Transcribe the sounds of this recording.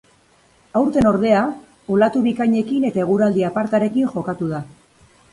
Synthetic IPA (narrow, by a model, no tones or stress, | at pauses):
awɾt̪e̞no̞ɾð̞e̞a | olat̪uβikaɲe̞kine̞t̪aeɣ̞uɾald̪iapaɾt̪aɾe̞kinʝo̞kat̪uð̞a